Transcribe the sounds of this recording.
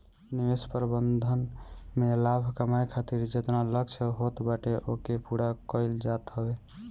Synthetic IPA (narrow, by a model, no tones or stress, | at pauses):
niwespəɾbənd̪ʱənmelabʱkəmajkʰat̪iɾd͡ʒet̪naləɡt͡ʃʰɛɦot̪baʈeʔokepuɽakəɪld͡ʒat̪ɦəbe